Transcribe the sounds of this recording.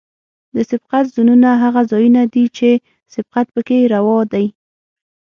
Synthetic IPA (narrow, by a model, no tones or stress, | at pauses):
d̪əsɪbqat̪zununaɦaɣazɑjunad̪it͡ʃe | sɪb̥̚qat̪̚pəkeɾawɑd̪aj